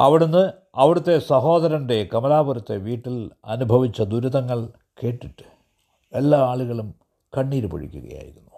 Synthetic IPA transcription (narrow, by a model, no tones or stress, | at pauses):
ɐʋiɽunːɨ | ɐʋiɽut̪ːe̞sɐɦo̞ːd̪ɐɾɐnɖe̞kɐmɐlaːbuɾɐt̪ːe̞̰ʋiːʈːilɐ̰nubʱɐʋit͡ɕːɐd̪uɾuðɐŋːɐɭ | ke̞ːʈːiʈːɨ̥ | e̞lːaːaːɭuɣɐɭum | kɐɳːiːɾupɐ̰ɻḭkʲːuɣɐ̰ja̰ːjḭɾunːu̥